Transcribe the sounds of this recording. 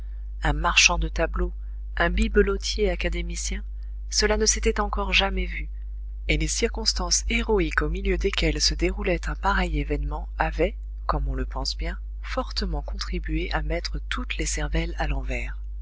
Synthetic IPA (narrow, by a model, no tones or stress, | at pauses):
ɛ̃maʁʃɑ̃d̪ət̪ablo | ɛ̃bibəlot̪ʰjeakad̪emisjɛ̃ | səlanəset̪ɛt̪ɑ̃kɔʁʒamɛvy | elesiʁkɔ̃st̪ɑ̃seʁɔikomiljød̪ekʲɛlsəd̪eʁulɛt̪ɛ̃paʁɛjevɛnmɑ̃avɛ | kɔmɔ̃ləpɑ̃sbjɛ̃ | fɔʁt̪əmɑ̃kɔ̃t̪χibɥeʔamɛt̪χət̪ut̪lesɛʁvɛlalɑ̃vɛːʁ